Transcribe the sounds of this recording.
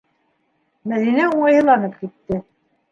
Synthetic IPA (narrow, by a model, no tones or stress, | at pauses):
mæðinæuɴɑjhɤ̆lˠɑnɤp̚kit̪ːɘ